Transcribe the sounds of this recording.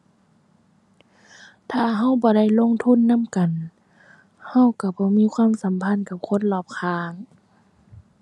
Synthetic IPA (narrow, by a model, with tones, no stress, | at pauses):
t̪ʰaː˧˨ɦa˧˥˨wbɔː˨˧˦da˧˥˨jlo˧˥˨ŋt̪ʰu˧˥˨nːa˧˥˨mka˨n | ha˧˥˨wka˧˩bɔː˧˦miː˧˥˨kʰwaː˧˥˨msa˨˦mpʰa˧˥˨nka˧˩p̚kʰo˧˥˨nlɔː˧˩p̚kʰaː˧ŋ